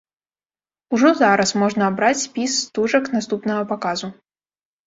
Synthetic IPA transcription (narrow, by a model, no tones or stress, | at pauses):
uʐɔzaɾɐsmɔʐnɐːbɾat͡sʲːpʲisːt̪uʐɐknast̪upnɐɣɐpakazu